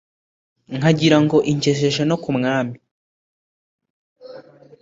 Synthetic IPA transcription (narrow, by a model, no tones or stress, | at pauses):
ŋhaɟiɾaŋɡo̞ʔiɲce̞ʃe̞ʒe̞no̞kumŋaːmi